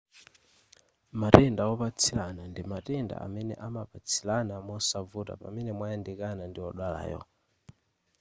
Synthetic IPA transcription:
matɛndawɔpat͡sʰilanandimatɛnda̰ʔa̰mɛnɛ̰ʔamapat͡sʰilanamɔsavuta̰pamɛnɛmwajandikanandiɔɗwala̰ːjɔ̰

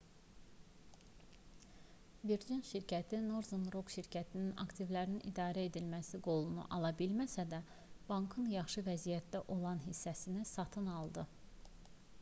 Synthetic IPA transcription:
viɾd͡ʒinʃiɾcʰæt̪ʰinoɾzonɾokʃiɾcʰæt̪ʰininɑ̰kt̪ʰivlæɾininid̪ɑːɾæe̞d̪ilmæsiɡo̞lˠunṵʔɑlˠɑbilmæsæd̪æ | b̥ɑŋkʰɯnjɑχʃɯvæzijæt̪̚d̪æʔo̞lˠɑnɦisːæsinisɑt̪ʰɯnɑlˠd̪ɯ

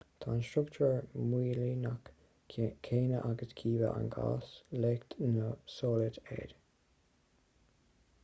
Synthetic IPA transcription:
t̪ʰaːnstɾʊkt͡ʃəɹmwiːliːnak | kʰeːnəʔaɡəskʰiːvəʔa̰nɡa̰ːsleːkt̪nəsɔːlɪt̪ɛ̰d̥

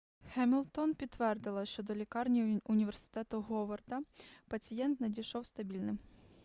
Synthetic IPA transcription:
xɛmʲilʲˠt̪ɔnpʲit̪ːʋɛrd̪ɪlˠɐʃt͡ʃɔd̪ɔlʲikɑrnʲiʊnʲiʋe̞rsɪ̥t̪ɛt̪ʊɦɔʋɔrd̪ɐpɐt͡sʲijɛnt̪nɐdʲijʃɔwst̪ɐbʲilʲnɪm

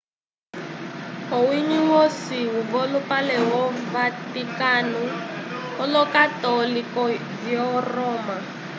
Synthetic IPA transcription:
owiɲiwosiɦuvolupalɛɦɔvatikanuhɔlɔkatɔlikɔ | vjɔrɔːma

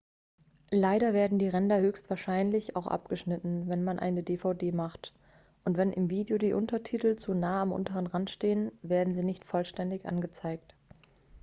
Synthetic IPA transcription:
laɪɾɐveːɐdn̩diːʁɛndɐhøːçstv̥aːɐʃaɪnlɪça̰ʊxʔa̰p̚ɡ̥əʃnɪtn̩vɛnmanʔa̰ɪnədeːfaʊdeːmaχt | ʔʊntv̥ɛnʔɪmviːdjodiːʔʊ̰ntɐtʰiːtl̩t͡sunaːamʔʊ̰ntəʁənʁantʃteːənveːɐdn̩ziːnɪçtfɔlʃtɛndɪçʔa̰nɡət͡saɪk̚t

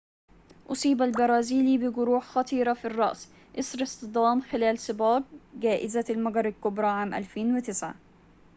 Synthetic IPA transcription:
ʔʊsˤiːbalbɑɾˤɑːziːlibɪɡʊɾuːħxɑt̪ˤiːɾafirˤːɑ̰ʔs | ʔɪsˤɾɪst̪ɨd̪ˤɑːmxɪlaːlsˤɨbaːb̚ɡaːʔɪzalmaɡɑɾˤɪlkʊbɾˤɑʕaːmʔa̰lfeːnwɪt̪ɪsʕa̰

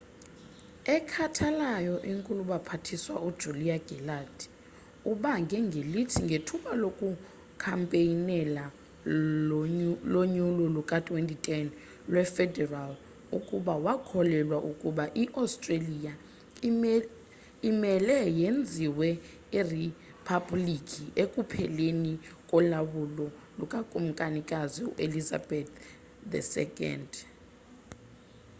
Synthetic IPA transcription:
ɛkʰatʰalajɔʔiŋkʼuluɓapʰatʰiswa̰ʔud̥ʒ̥ʱuliaɡ̥ʱɛlad | uɓaŋɡʱɛŋɡʱelitʰiŋɡʱetʰuɓalokʼu | kʰampʼeinɛla | loɲulɔlukʼatʼwentʼitʰʼɛn | lwɛfɛdɛral | ukʼuɓawakʰɔlɛlwaʔukʼuɓaʔiʔastʼrelija | imɛlɛjend͡zʱiwɛ | iri | pʰablikʰʼiekʼupʰɛlenikʼɔlaɓulɔlukʼakʼum̩kʼanikʼaziṵʔeliza̰bɛt̪ | dɛ̰sɛ̰kʼɛ̰nd

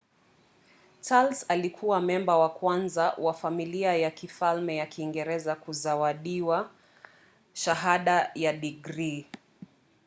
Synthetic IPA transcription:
t͡ʃalsalikʰuwamɛmbawakwanzawafamiliajakifalmɛjakʰiːŋɡɛɾɛzakuzawaɗiwa | ʃaɦaɗajaɗiɡɾi

